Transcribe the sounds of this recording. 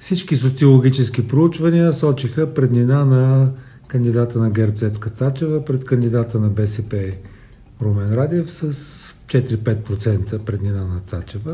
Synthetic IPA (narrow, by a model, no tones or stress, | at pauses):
fsit͡ʃkisot̪siolˠoɡʲit͡ʃɛsk̟ipɾout͡ʃvəniəsɔt͡ʃixəpɾɛd̪ninanɐ | kənd̪id̪at̪ənɐɡɛɾbzɛt̪skət̪sat͡ʃɛvəpɾɛt̪kənd̪id̪at̪ənɐbɛsɛpɛ | ɾomɛnɾad̪ɛfsəst͡ʃɛt̪iɾipɛt̪̚pɾot̪sɛnt̪əpɾɛd̪ninanɐt̪sat͡ʃɛvə